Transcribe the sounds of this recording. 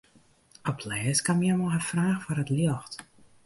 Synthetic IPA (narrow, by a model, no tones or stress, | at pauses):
ɔpʰlɛːskamjɛmɔɦəfraːxfɔrətljɔxt